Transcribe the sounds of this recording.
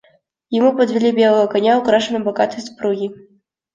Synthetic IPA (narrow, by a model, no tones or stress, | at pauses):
jamupɐd̪vʲɛlʲibʲɛlˠɐɣɐkɐnʲawkɾaʂɨnɨbɐɣat̪ɨjspɾuɣʲi